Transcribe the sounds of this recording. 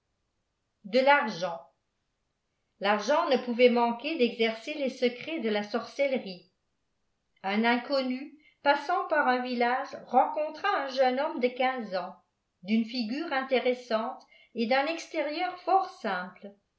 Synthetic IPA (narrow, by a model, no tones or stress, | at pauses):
d̪əlaʁʒɑ̃ | laʁʒɑ̃nəpuvɛmɑ̃kʲed̪ɛɡzɛʁselesəkχɛd̪əlasɔʁsɛlʁi | ɛ̃nɛ̃kɔny | pasɑ̃paʁɛ̃vilaʒʁɑ̃kɔ̃t̪χaɛ̃ʒənɔmd̪əkʲɛ̃zɑ̃ | d̪ynfiɡʲyːʁɛ̃t̪eʁesɑ̃t̪ | ed̪ɛ̃nɛkst̪eʁjœːʁfɔʁsɛ̃pl